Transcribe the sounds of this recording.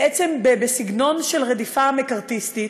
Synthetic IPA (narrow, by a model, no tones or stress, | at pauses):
ʔet͡sembebesiɡno̞nʃe̞lʁed̪ifamekaʁt̪ist̪i